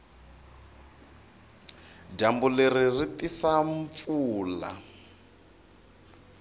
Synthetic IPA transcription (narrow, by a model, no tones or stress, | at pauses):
ɟambuleririt̪isaɱp̪fuːla̰